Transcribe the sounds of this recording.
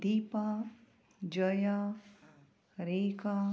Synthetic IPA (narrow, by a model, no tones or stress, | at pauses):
d̪iːpa | d͡ʒɐja | ɾeːka